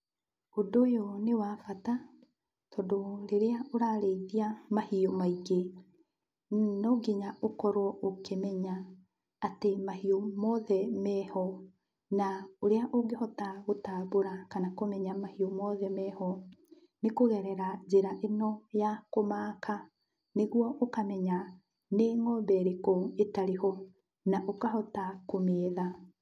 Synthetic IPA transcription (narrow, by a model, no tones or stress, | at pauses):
odojɔnewafata | tɔːndoɾeɾeaoɾaɾeiðiamahiomaiɡe | nɔɡeɲaʔokɔɾwɔokemɛɲaː | temahiomɔðɛmɛhɔ | naoɾeaʔoŋɡehɔtaɣotaːβoɾakanakomɛɲamahiomɔðɛmɛhɔ | nekoɣɛɾɛɾad͡ʑeɾaʔenɔjakomaːkʰa | neɣwɔʔokamɛɲa | neŋɔbɛɾekoetaɾehɔ | naʔokahɔtakomeːða